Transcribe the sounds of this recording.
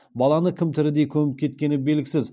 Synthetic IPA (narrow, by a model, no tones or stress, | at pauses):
bɑlˠɑnəkʲʰɪmt̪ʰɪɾɪd̪e̞jkʲʰɵmɪp̚kʲʰe̞t̪kʲe̞nɪbe̞lɡʲɪsɪz